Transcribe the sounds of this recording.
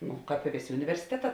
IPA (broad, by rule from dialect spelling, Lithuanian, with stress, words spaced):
ˈnʊ ˈkɑːp ɪ ˈʋʲeːˌsʲeː ʊnʲɪʋʲɛrʲsʲɪˈtʲæːˌtɑː